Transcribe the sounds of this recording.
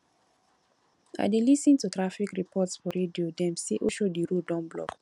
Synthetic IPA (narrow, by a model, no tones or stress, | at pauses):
a̰ɪdelisĩntutɹafikɹipʰɔtsfɔɹediodɛ̃msiʔoʃodiɹudɔ̃mblɔ̰k